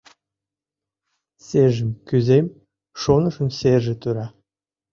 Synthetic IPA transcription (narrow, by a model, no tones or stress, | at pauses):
seʒə̆mkyzem | ʃonɤ̆ʃə̆mseʒĕt̪yɾɑ